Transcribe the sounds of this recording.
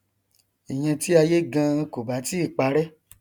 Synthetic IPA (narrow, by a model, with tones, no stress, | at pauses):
i˨j̃ɛ̃˧ti˦a˧je˦ɡã˧ko˨ba˨˦ti˦˨k͡pa˨˦ɾɛ˦